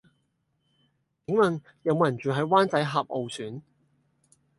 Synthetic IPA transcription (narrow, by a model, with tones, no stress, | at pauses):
kɪ˨˥ŋmɐ˨˩n | jɐ˨˧wmoː˧jɐ˨˩nt͡ʃyː˨ɦɐ˨˥jwaː˥nt͡sɐ˨˥jɦaː˨p̚ʔo˨˧wsyː˨˥n